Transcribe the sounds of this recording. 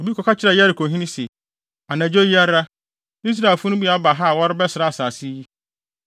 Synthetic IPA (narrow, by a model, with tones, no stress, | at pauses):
o˨bi˦kʰɔ˨ka˦t͡ɕʰɪ˦ɾa˨ja˦ɾɪ˨kʰo˨ɦĩ˦nĩ˦se˨ | a˨nã˨d͡ʑo˦ji˦a˦ɾa˦ | i˦s̬ɾa˨e˨fʊ˦ʊ̃˦bi˦a˦ba˨ɦa˦˨wɔ˦ɾɪ˦bɛ˦sɪ˨ɾa˦a˨saː˨si˦ji˦